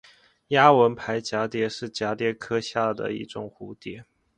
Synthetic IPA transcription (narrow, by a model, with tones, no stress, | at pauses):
ja˥wə˧˥npʰa˧˥ɪt͡ɕja˧˥t̪jɛ˧˥ʂɻ̩˥˩t͡ɕja˧˥t̪jɛ˧˥kʰɤ˥ɕja˥˩d̪ə̰˨˩ḭ˥˩ʈ͡ʂʊ̰˥˩ŋxu˧˥˦t̪jɛ˧˥˦